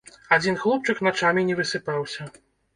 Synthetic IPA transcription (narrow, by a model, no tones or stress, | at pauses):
ad͡zʲinxlˠɔp̚t͡ʂɨknat͡ʂamʲinʲɛvɨsɨpawsʲɐ